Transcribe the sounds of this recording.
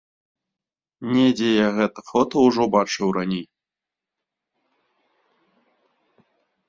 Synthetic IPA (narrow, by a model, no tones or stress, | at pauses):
nʲɛd͡zʲejaɣɛt̪ɐfɔt̪ɐuʐɔbat͡ʂɨwranʲej